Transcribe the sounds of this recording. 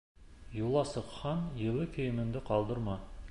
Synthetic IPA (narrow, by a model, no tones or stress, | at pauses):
julˠɑsɤ̆qχɑnjɤ̆lˠəkʲʰɵ̆jɪ̆mɘ̆nd̪ɪqʰɑlˠd̪əɾmɑ